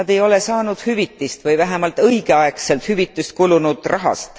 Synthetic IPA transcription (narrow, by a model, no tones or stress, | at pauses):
ɑd̪̥e̞jo̞le̞sɑːnud̪̥hyvit̪ːˑist̪vɯjvæɦemɑlt̪ɤjɡ̥e̞ɑekse̞lt̪hyvit̪ːˑust̪̚kulunud̪̥rɑɦɑ̰st̪